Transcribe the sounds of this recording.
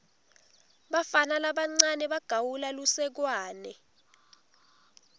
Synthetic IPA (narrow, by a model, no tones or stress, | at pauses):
ɓafanalaɓaŋ͡ǀanɛɓaɡ̥ʱawulalusɛk̬waːnɛ